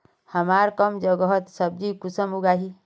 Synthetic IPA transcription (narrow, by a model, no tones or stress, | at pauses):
həmaɾkəmd͡ʒəɡəɦʌt̪səb̚d͡ʒikusəmuɡaɦi